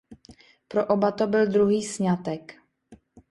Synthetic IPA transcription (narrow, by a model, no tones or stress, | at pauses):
pɾoʔobat̪obɪld̪ɾuɦiːsɲat̪ɛk